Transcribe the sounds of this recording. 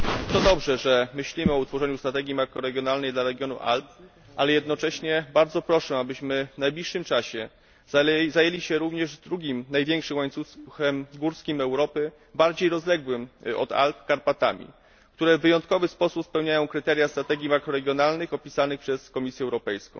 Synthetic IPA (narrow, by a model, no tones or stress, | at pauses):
t̪ɔd̪ɔbʐɛʐɛmɘɕlʲimɘɔut̪fɔʐɛɲust̪ɾat̪ɛɡʲimakɾɔɾɛɡʲjɔnalnɛjd̪laɾɛɡʲjɔnṵʔa̰lp̚ | ʔalɛjɛd̪nɔt͡ʂɛɕɲɛbaɾd̪zɔpɾɔʂɛabɘɕmɘvnajblʲiʂːɘmt͡ʂaɕɛ | zajɛlʲiɕɛɾuvɲɛʐvd̪ɾuɡʲimnajvʲjɛŋkʂɘmwaɲt̪susxɛmɡuɾskʲimɛwɾɔpɘ | baɾd͡ʑejɾɔzlɛɡwɘmɔ̰d̪a̰lpkaɾpat̪a̰mʲḭ | kt̪uɾɛvːɘjɔnt̪kɔvɘspɔsupspɛwɲajɔ̃w̃kɾɘt̪ɛɾʲjast̪ɾat̪ɛɡʲimakɾɔɾɛɡʲjɔnalnɘxɔpʲisanɘxpʂɛskɔmʲisʲjɛɛwɾɔpɛjskɔ̰̃w̃